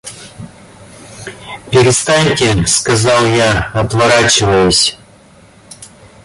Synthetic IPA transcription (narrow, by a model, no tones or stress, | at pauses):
pʲɪɾʲɪst̪anʲtʲɪskɐzalˠjaɐt̪vɐɾat͡ɕɪvəjʊsʲ